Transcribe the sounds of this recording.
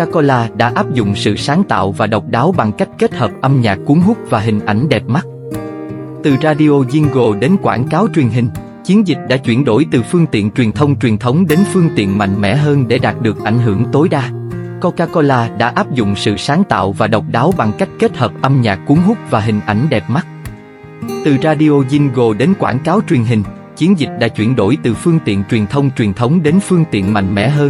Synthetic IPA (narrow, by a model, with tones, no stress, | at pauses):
kaː˧ko˧laː˧ɗa̰ː˧˥ʔaː˦˥p̚zʊ̰˧˨ŋ͡msɨ̰˧˨saː˨˦ŋt̪a̰ː˧˨wvaː˨˩ɗə˨˩wk͡p̚ɗaː˨˦wɓa˨˩ŋka˦˥jk̟̚ke˦˥t̚həː˨˩p̚ʔə˧mɲaː˨˩kkːu˨˦ŋɦʊ˦˥k͡p̚vaː˨˩ɦï˨˩ŋ̟ʔa˧˩jŋ̟ɗɛ˨˩p̚ma˦˥t̚ | t̪ɨ˨˩zaː˧ɗi˧ʔo˧zi˧nɣo˨˩ɗe˨˦nkwa̰ː˧˩nkaː˨˦wt͡ɕwi˨˩ənɦï˧ŋ̟ | t͡ɕi˨˦ənzï˨˩k̟̚ɗa̰ː˧˥t͡ɕwi˧˩ənɗo̰˧˩jt̪ɨ˨˩fɨ˧əŋt̪ḭ˧˨ənt͡ɕwi˨˩t̪ʰə˧wŋ͡mt͡ɕwi˨˩ənt̪ʰə˨˦wŋ͡mɗe˨˦nfɨ˧əŋt̪ḭ˧˨ənma̰˧˨jŋ̟mɛ̰˧˥ɦəː˧nɗe˧˩ɗaː˨˩t̚ɗɨ˨˩ək̚ʔa˧˩jŋ̟ɦɨ˧˩əŋt̪o˨˦jɗaː˧ko˧kaː˧kɔ˧laː˧ɗa̰ː˧˥ʔaː˦˥p̚zʊ̰˧˨ŋ͡msɨ̰˧˨saː˨˦ŋt̪a̰ː˧˨wvaː˨˩ɗə˨˩wk͡p̚ɗaː˨˦wɓa˨˩ŋka˦˥jk̟̚ke˦˥t̚həː˨˩p̚ʔə˧mɲaː˨˩kːu˨˦əŋɦʊ˦˥k͡p̚vaː˨˩ɦï˨˩ŋ̟ʔa˧˩jŋ̟ɗɛ˨˩p̚ma˦˥t̚ | t̪ɨ˨˩zaː˧ɗi˧ʔo˧zi˧nɣo˨˩ɗe˨˦nkwa̰ː˧˩nkaː˨˦wt͡ɕwi˨˩ənɦï˨˩ŋ̟ | t͡ɕi˨˦ənzï˨˩k̟̚ɗa̰ː˧˥t͡ɕwi˧˩ənɗo̰˧˩jt̪ɨ˨˩fɨ˧əŋt̪ḭ˧˨ənt͡ɕwi˨˩ənt̪ʰə˧wŋ͡mt͡ɕwi˨˩ənt̪ʰə˨˦wŋ͡mɗe˨˦nfɨ˧əŋt̪ḭ˧˨ənma̰˧˨jŋ̟mɛ̰˧˥ɦəː˧n